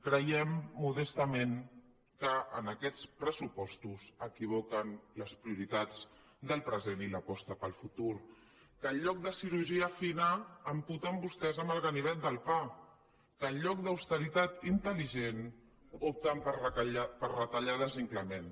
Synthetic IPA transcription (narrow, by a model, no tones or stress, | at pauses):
kɾəjɛmːuð̞ɛst̪əmeŋ | kəʔənəkɛt͡spɾəsupɔst̪uzəkiβ̞ɔkənləspɾiuɾit̪ad͡z | d̪əlˠpɾəzeniləpɔst̪əpəlˠfut̪uɾ | kəːlʎːɔk̚d̪əsiɾuɾʒiəfinəːmput̪əmbust̪ɛzəmbəlˠɣəniβɛt̪d̪əlˠpa | kəːlʎɔk̚d̪əwst̪əɾit̪at̪int̪əliʒen | op̚t̪əmppəɾrət̪əʎaðəziŋkləmen